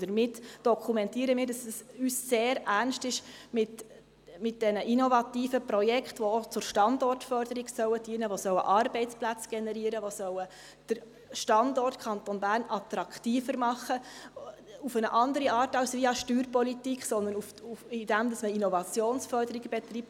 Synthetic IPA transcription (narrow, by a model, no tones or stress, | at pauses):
d̥əɾmɪtd̥ɔkʰumɛntiːəɾəmiːɾd̥ɑsɛsyːsːeːɾærnʃtɪʃmɪt | mɪt̚d̥ɛnəʔinɔvɑtiːfəpɾɔjɛkχtʋoot͡sʊɾʃtɑndɔrtfœɾd̥əɾiɡsœwəd̥iːənəʋosœwə̰ʔɑrbɛɪtt͡splæt͡sɡ̥ɛnɛɾiːəɾəʋosœwə | d̥əɾ | ʃtɑndɔrtkʰχɑnt̪onbæːrnɑt̪ɾɑkʰtiːfəɾmɑχːə | ufənəʔɑndəɾiɑːrtɑʊsʋiɑʃtyːrpɔlitikχsɔnd̪əɾnufuɪd̥æmd̪ɑsməinɔvɑt͡sjoːnsfœrdəɾiɡəbɛt̪riːp̚t